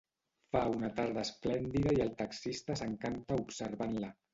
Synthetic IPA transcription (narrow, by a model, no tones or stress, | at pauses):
faunat̪aɾð̞əəsplɛnd̪iðaiəlˠt̪aksist̪asəŋkant̪aupsəɾβanla